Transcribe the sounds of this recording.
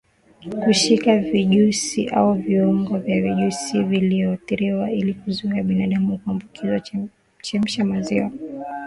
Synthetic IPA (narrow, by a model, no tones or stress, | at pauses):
kuʃikaviʄusiʔauviɔŋɡɔvjaviʄusiviliɔtiɾiwailikuzuaɓinaɗamukuambukʰiza | t͡ʃɛm̩ʃamaziwa